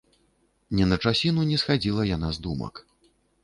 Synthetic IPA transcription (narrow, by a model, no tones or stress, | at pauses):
nʲɛnɐt͡ʂasʲinunʲɛsxad͡zʲilˠɐjanazd̪umɐ̰k